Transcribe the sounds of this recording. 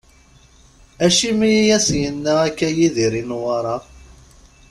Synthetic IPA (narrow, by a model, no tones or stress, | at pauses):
æʃimijijæsjənːæækːæjiðiɾinwɑɾˤɑ